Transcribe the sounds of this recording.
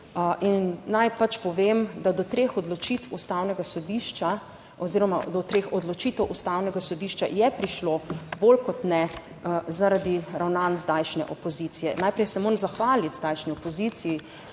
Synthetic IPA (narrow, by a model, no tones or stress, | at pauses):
ʔinːajpat͡ʃpɔʋemd̪ad̪ɔt̪ɾeːxɔd̪lɔt͡ʃit̪wust̪aːwnɛɡasɔd̪iʃt͡ʃa | ɔziːɾɔmad̪ɔt̪ɾeːxɔd̪lɔt͡ʃit̪ɛwʔust̪awnɛɡasɔd̪iʃt͡ʃa̰jɛpɾiʃlobolkɔt̪nɛ | zaɾad̪iɾawnanzd̪ajʃnɛ̰ʔɔpɔzit̪sijɛnajpɾɛjsɛmoːɾmzaxʋaːlit̪zd̪ajʃniɔpɔziːt̪siji